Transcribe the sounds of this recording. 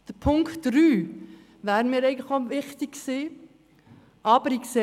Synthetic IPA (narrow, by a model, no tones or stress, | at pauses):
d̥əpʰʊŋktdɾyː | ʋæːɾnmɪːɾɛɪɡəŋ̩tləχoʋɪχt̪ɪkksiː | ʔɑb̥əɾikse